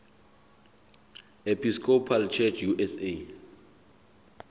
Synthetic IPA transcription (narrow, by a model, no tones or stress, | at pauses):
epʰiskʰɔpʰalt͡ʃʰɛt͡ʃʰjuʔɛse